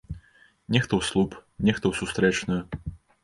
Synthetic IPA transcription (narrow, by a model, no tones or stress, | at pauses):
nʲɛxt̪ɔwslˠupnʲɛxt̪ɔwsust̪ɾɛt͡ʂnɨju